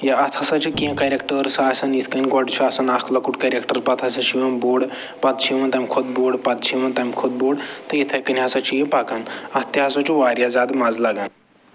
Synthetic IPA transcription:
jaɐt̪ʰɐsɐt͡ʃʰukiɐ̃kɐɾʲekʈəɾsaːsɐnit̪ʰkɐnʲɡɐɖt͡ʃʰuasɐnakʰlɐkuʈkɐɾʲekʈɐɾpɐt̪ʰɐsɐt͡ʃʰiʋɐnboːɖ | pɐt̪̚t͡ʃʰiʋɐnt̪ɐmʲkʰod̪̚boːɖpɐt̪̚t͡ʃʰiʋɐnt̪ɐmʲkʰod̪̚boːɽt̪ɐit̪ʰɐjkɐnʲɐsɐt͡ʃʰijẽpakanɐst̪iasɐt͡ʃʰuʋaːɾjazʲaːd̪mazlɐɡan

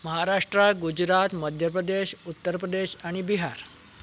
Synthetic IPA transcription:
məɦaɾaʂʈɾaɡud͡ʑɾat̪məd̪ʱjəpɾəd̪eɕut̪ːəɾpɾəd̪eɕaɽ̃ibiɦaɾ

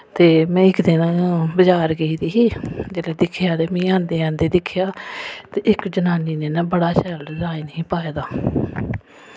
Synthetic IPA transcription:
t̪eːmɛ̃ːɪkd̪ɪnabəd͡ʒaːɾɡeiːd̪iːɦiːd͡ʒeːleːd̪ɪkʰːjaːt̪eːmĩːãːnd̪eːãːnd̪eːd̪ɪkʰjaːt̪eːʔɪkd͡ʒənaːniːneːnaːbəɽaːsɛlzaːinəɦĩːpaːeːd̪aː

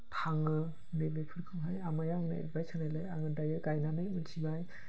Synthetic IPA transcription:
tʰaŋɯ | nebepʰɯɾkʰɯŋɦajamajaŋna̰ḛt̚bajsʰɯnajlajaŋɯdajɯɡajnanɯjɯlsʰibaj

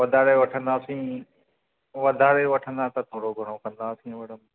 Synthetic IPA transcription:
ʋɐd̪ʱaːɽeʋɐʈʰə̃nd̪aːsĩː | ʋɐd̪ʱaːɽeʋɐʈʰə̃nd̪at̪ɐt̪ʰoːɽoɡʱɐɽ̃okɐ̃nd̪aːsĩʋɐɽ̤əm

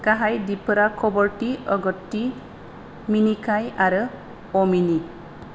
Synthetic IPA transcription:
kaɦajdipɯɾakʰɔbɔɾʈiɔɡɔtːi | minikʰajaɾɯ | ɔmini

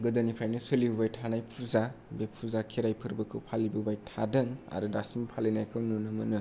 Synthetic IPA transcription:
ɡɯdɯnipʰɾajnɯsɯlibɯbajtʰanajpʰuzabepʰuzakʰeɾajpʰɯɾbɐkʰɯwpʰalibɯbajtʰadɯŋa̰ɾɯdasimpʰalenajkʰɯwnunɯmɯnɯ

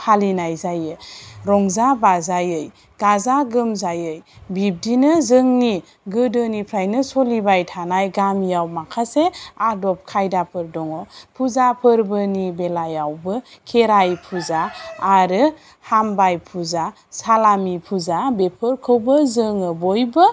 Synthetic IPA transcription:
pʰalinajzajɯɾɔŋzabazajɯj | ɡ̥azaɡɯmzajɯjbip̚dinɯzɯŋni | ɡɯdɯnipʰɾajnɯsɔlibajtʰanajɡamijawmakʰaseadɔp̚kʰajdapʰɯɾdɔŋɔpʰuzapʰɯɾbɯnibelajawbɯkʰeɾajpʰuzaːɾɯ | hambajpʰuza | salamipʰuzabepʰɯɾkʰɯwbɯzɯŋɯbɔjbɯ

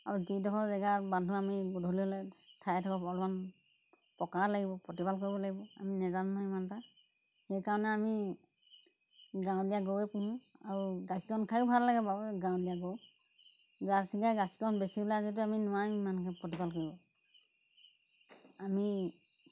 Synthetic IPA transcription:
aɹuzidɔɦɔzɛɡabandʱuamiɡudʱɔliɔlɛtʰajtʰɔkɔpɔlman | pɔkaɹlaɡibɔpɹɔtibalkoɹibɔlaɡibɔa̰minɛzamnaimanta | hɛjkaɹɔnɛami | ɡãw̃dijaɡowɛpuɦũaɹuɡasikɔnkʰajʊbʱaɹlaɡɛbabɡãw̃dijaɡow | zaɹsiɡajɡasi̥kɔnbesiblazit̬uaminɔwajmankʰɛpɹɔtibalkoɹibɔ | ami

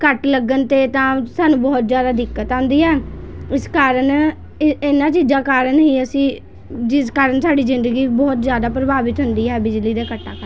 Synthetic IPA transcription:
kəʈləɡənt̪eːt̪ãːsaːnũːbɔːt̪zjaːd̪aːd̪ɪkːət̪ãːnd̪iːɦɛːɪskaːɾəɳ | ɪɪnãːt͡ʃiːd͡ʒãːkaːɾənɦiːəsĩː | d͡ʒɪskaːɾəɳsaːɖiːzɪ̃nd̪əɡiːbɔːt̪zjaːd̪aːpɾəbaːbɪt̪ɦʊnd̪iːɦɛːbɪd͡ʒliːd̪aːkəʈːa̰ːkəɾ

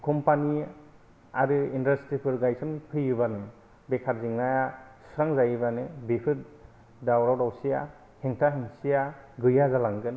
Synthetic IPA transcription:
kʰɔmpani | aɾɯindastɾipʰɯɾɡajsɔnpʰɯjɯbanɯ | bekʰaɾziŋnajasɾaŋzajɯbanɯbipʰɯt | dawɾawɾawsija | heŋtʰaɦɯŋsijaɡɯjazalaŋɡɯn

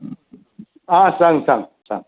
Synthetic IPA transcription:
ãːsaŋsãŋsã̰ŋ

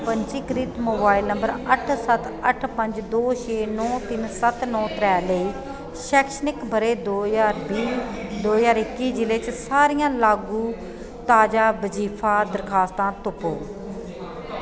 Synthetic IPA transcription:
pəɲt͡ʃiːkɾiːt̪moːbaːilnəmbəɾəʈʰsət̪əʈʰpəɲd͡ʒd̪oːʃeːnɔ̃ːt̪ɪnsət̪nɔ̃ːt̪ɾɛːləiː | ʃɛːkʃənɪkbʱəɾeːd̪oːjaːɾbiː | d̪oːjaːɾɪkːiːd͡ʒɪleːt͡ʃsaːɾijãːlaːɡũː | t̪aːd͡ʒaːbəd͡ʒiːpʰaːd̪əɾkʰaːst̪ãːt̪ʊpo̰ː

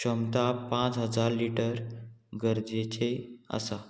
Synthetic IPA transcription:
ɕəmt̪apãt͡sɦəd͡zaɾliʈəɾɡəɾd͡zet͡ɕeə̰sa

